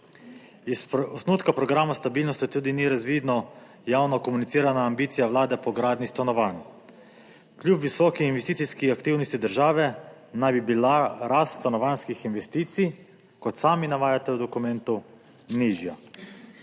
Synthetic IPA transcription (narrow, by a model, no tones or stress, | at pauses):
isɔsnuːt̪kapɾɔɡɾaːmast̪abiːlnɔst̪it̪uːd̪iniɾazʋid̪nɔ | jaːwnɔkɔmunit̪siːɾanaːmbiːt̪sijawlaːd̪ɛpɔɡɾaːd̪nist̪anɔʋan | klʲjupʋisɔːkiinʋɛst̪it̪siskiakt̪iwnɔst̪id̪əɾʒaːʋɛ | najbibilaɾast̪st̪anɔʋanskixinʋɛst̪iːt̪sij | kɔt̪saːminaʋaːjat̪ɛwd̪ɔkumɛnt̪u | niʒja